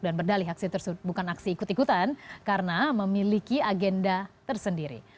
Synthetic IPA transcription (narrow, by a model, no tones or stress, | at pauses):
k̚danbərdalɪɦaksit̪ərsut̪̚bukanaksiːkʊt̪ikut̪ankaɾənaməmilikiaɡɛndat̪ərsəndiɾḭ